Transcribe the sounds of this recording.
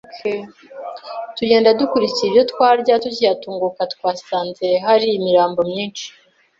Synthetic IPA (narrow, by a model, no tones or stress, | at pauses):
tuɟe̞ːndadukuɾiciibjo̞tkwaːɾɟatucijatuːŋɡukatkwaːsaːnzeɦaɾiːmiɾaːmbo̞mɲiːnt͡ʃi̥